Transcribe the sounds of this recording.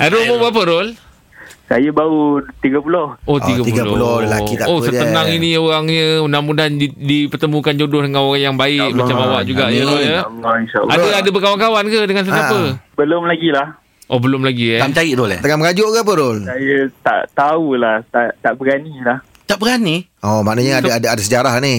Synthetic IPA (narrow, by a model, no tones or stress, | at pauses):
ʔaɾolmobap̬əɾol | sa̰jəbaut̪iɡəpulohʔot̪iɡəppuɡlpulolakit̪aosət̪ənaŋinioɣaŋɲəunamudanidipərt̪əmũkand͡ʒodʊht̪əŋanoɣaŋjaŋbaɪkmat͡ʃamawaʔd͡ʒuɡaʔjəoləlɔinʃa̰ʔadaadabəkawankawankədəŋans̬əpapəbəlʊmlaɡilah | ʔobəlʊmlaɡiamt͡ʃaiʔt̪olɛ̰t̪əŋaməɡad͡ʒoʔkapəɾʊlsajət̪a̰ʔt̪aulaht̪aʔt̪aʔbəɡanilah | t̪aʔbəɡaniɔmaʔnəɲəaadaadasəd͡ʒaɾaɦni